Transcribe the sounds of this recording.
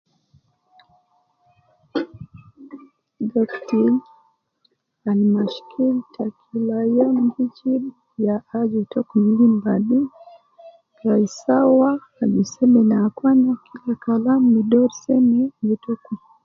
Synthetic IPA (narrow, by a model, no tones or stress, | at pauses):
ɡakti | animaʃkʰiltakʰilajamɡit͡ʃi | jaad͡ʒitɔkumiɡimbaɗi | ɾaisawaː | d͡ʒisɛmɛnaːkwanakʰilakalamnidɔɾsɛminitɔku